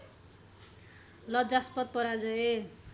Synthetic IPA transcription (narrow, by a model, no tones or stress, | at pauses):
lʌd͡zaspʌt̪̚pʌɾad͡zʌe